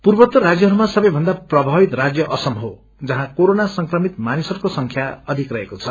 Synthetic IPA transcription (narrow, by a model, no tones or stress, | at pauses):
purbʌt̪ːʌɾad͡zjʌɦʌɾumasʌbʌjbʱʌnd̪aprʌbʱabit̪rad͡zjʌʔʌsʌmɦo | d͡zʌɦãkoɾonasʌŋkrʌmit̪manisʌrkosʌŋkʰjaʌd̪ʱikrʌɦekot͡sʰʌ